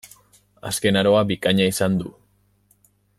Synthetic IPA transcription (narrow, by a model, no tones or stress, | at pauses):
aske̞naɾo̞abikaɲaisand̪u